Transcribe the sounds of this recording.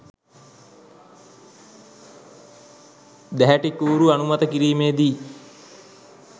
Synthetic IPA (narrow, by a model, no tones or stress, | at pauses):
d̪æɦæʈikuːɾuanumat̪əkiɾiːmeːd̪iː